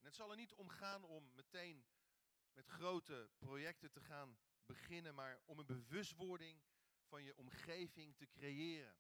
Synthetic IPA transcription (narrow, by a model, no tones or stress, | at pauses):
ɛnɦətsɑlˠɛɹnitɔmχaːnɔmːətejn | mɛtχrowtəprojɛk̚tətəχaːn | bəχɪnənmaːɹɔmənbəʋɵstʋɔɹdɪŋ | v̥ɑnjəʔɔmχejvɪŋtəkrejɪːrə̰n